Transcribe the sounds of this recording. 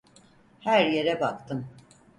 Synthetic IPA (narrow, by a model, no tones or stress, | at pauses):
hæɾje̞ɾɛbakt̪ʰɯm